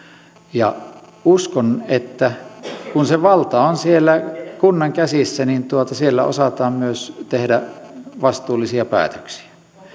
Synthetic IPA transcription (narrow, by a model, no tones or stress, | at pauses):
jɑ | uskonet̪ːækunseʋɑlt̪ɑonsielːækunːɑŋkæsisːænint̪uot̪ɑsielːæo̰sɑt̪ɑːmmyøst̪ehdæʋɑst̪uːlisiɑpæ̰ːt̪ø̥ksi̥æ̥